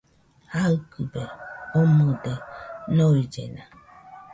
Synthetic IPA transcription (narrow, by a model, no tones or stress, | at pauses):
akubeomodenoid͡ʒḛna